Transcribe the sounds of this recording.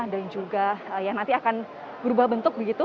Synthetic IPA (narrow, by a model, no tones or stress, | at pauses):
dand͡ʒuɡaəjanant̪iakan | b̥əɾubahbənt̪ʊk̚bəɡit̪u